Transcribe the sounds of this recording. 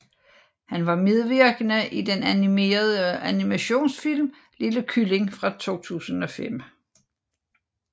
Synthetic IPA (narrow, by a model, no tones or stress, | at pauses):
hænʋɑ̈me̝ðˠʋeɐɡ̥ənəʔid̥enænime̝̰ːɐð̞ˠəænimæɕo̝̰ːnsfil̰m | liləkʰyle̝ŋfʁɑ̈t͡sʰo̝̰ːt͡sʰṵːsən̩ɒ̽fem̰